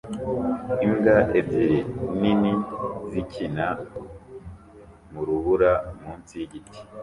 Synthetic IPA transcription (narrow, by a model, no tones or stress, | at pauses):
iŋɡaʔeziɾininizicʰina | muɾuβuɾamuːnsiɟitʰi̥